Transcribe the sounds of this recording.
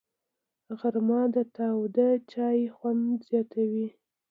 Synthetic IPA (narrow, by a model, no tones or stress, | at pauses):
ɣaɾmɑd̪ət̪ɑwd̪ət͡ʃɑjxwand̪z̥jɑt̪ʰawi